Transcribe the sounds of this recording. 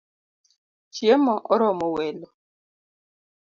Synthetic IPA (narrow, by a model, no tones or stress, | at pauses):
t͡ʃjemɔʔɔɾɔmɔwɛlɔ